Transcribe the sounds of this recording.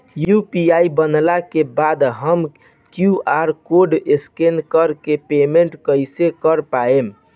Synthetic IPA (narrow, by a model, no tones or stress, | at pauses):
jupiaibənlakebad̪ɦəm | kjuaɾkoɖeskenkəɾkepemeɳʈkəjsekəɾpaem